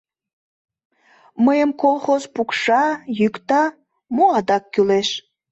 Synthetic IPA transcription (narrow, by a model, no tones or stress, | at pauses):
məjəmkolˠxozpukʃɑjykt̪ɑ | moɑd̪ɑkːyleʃ